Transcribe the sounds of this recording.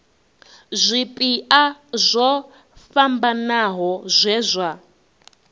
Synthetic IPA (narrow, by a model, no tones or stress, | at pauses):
zʷipʼiʔazʷɔ | fambanaɦɔzʷɛːzʷa